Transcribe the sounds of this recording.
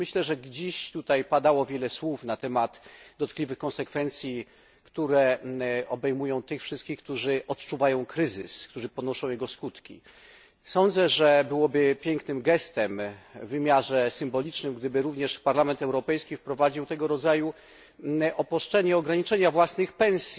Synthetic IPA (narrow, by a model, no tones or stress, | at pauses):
mɘɕlɛʐɛɡd͡ʑeɕt̪ut̪ajpad̪awɔvʲjɛlɛswufnat̪ɛmat̪d̪ɔt̪klʲivɘxkɔ̃ñsɛkfɛnt̪sʲji | kt̪uɾɛɔbɛjmujɔ̃w̃t̪ɘxfʂɘst̪kʲixk̚t̪uʐɘʔɔt̪t͡ʂuvajɔ̃w̃kɾɘzɘskt̪uʐɘpɔnɔʂɔ̃w̃jɛɡɔskut̪kʲḭ | sɔ̃nd̪zɛʐɛbɘwɔbɘpʲjɛŋknɘmɡɛst̪ɛmvːɘmʲjaʐɛsɘmbɔlʲit͡ʂnɘmɡd̪ɘbɘɾuvɲɛʂpaɾlamɛnt̪ɛwɾɔpɛjskʲifpɾɔvad͡ʑiwt̪ɛɡɔɾɔd̪zaju | ʔɔpɾɔʂt͡ʂɛɲɛɔɡɾaɲit͡ʂɛɲavwasnɘxpɛ̃w̃sʲi